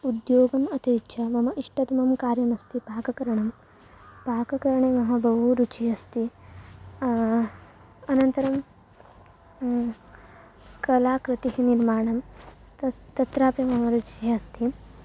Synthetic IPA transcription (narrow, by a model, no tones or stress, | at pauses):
ud̪joːɡɐmɐt̪iɾt͡ʃʰɐmɐmɐʔiʂʈɐt̪ɐmɐmkaːɾjɐmɐst̪ipaːkɐkɐɾɐɳɐm | paːkɐkɐɾɐɳemɐɦɐbʱɐʋuɾut͡ʃʰiɐst̪i | ɐnɐnt̪ɐɾɐm | kɐlaːkɾɪt̪iɦiniɾmaːɳɐm | t̪ɐt̪ɾaːpimɐmɐɾut͡ʃiɐst̪i